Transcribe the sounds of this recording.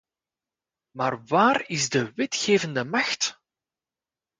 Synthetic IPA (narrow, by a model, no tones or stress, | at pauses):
maːrwaːɾɪzdəwɪtxeːvəndəmɑxt